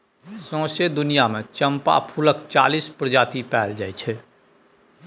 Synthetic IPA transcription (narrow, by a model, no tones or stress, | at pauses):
sɔ̃ːsed̪ʊnijamẽt͡ʃəmpa̰pʰuləkt͡ʃa̰ːlispɾəd͡ʒaːt̪ipɛːld͡ʒaːet͡ʃʰɛ